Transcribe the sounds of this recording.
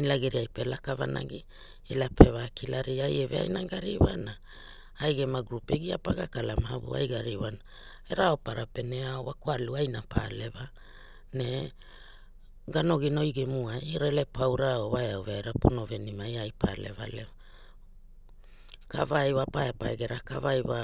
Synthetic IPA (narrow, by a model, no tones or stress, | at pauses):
ilaɡiɾiajpe̞lakava̰na̰ɡi | elapʰe̞vakilaɾiajevea̰jnaɡaɾiwana | ajɡemaɡɾupeɡiapaɡakalamaabṵa̰jɡaɾiwana | eɾaopaɾape̞neaowakoaluajnapʰa̰le̞va | ne̞ | ɡano̞ɡino̞jɡemuajiɾele̞pawɾaoβaeaoveaeɾapono̞ve̞nimajajpʰa̰le̞̰va̰lea | kavajwapajeapaeɡe̞ɾakavajwa